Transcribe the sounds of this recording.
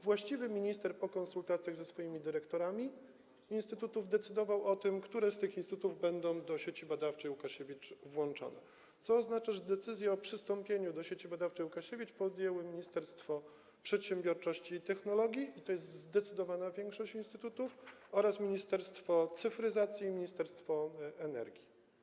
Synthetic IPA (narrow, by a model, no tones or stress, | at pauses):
vwaɕt͡ɕivɘmʲiɲist̪ɛɾpɔkɔnsult̪at̪sʲjaɣzɛsfɔjimʲid̪ɘɾɛkt̪ɔɾamʲi | inst̪ɘt̪ut̪uvd̪ɛt̪sɘd̪ɔvawɔt̪ɘmkt̪uɾɛst̪ɘxinst̪ut̪uvbɛnd̪ɔ̃w̃d̪ɔɕet͡ɕibad̪aft͡ʂɛjukaɕevʲit͡ʂvwɔnt͡ʂɔ̰nɛ | t̪sɔːznat͡ʂaʐɛd̪ɛt̪sɘzʲjɛɔpʂɘst̪ɔmpʲjeɲud̪ɔɕet͡ɕibad̪aft͡ʂɛjukaɕevʲit͡ʂpɔd̪jɛwɘmʲiɲist̪ɛɾst̪fɔ | pʂɛt̪ɕɛ̃mbʲjɔɾt͡ʂɔɕt͡ɕiːt̪ɛxnɔlɔɡʲjiit̪ɔjɛst̪zd̪ɛt̪sɘd̪ɔvanavʲjɛŋkʂɔɕt͡ɕinst̪ɘt̪ut̪ufɔɾasmʲiɲist̪ɛɾst̪fɔt̪sɘfɾɘzat̪sʲjiːmʲiɲist̪ɛɾst̪fɔɛnɛ̰ɾɡʲi